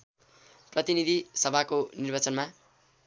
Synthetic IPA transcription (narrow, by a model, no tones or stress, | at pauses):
prʌt̪inid̪ʱisʌbʱakonirbat͡sʌnma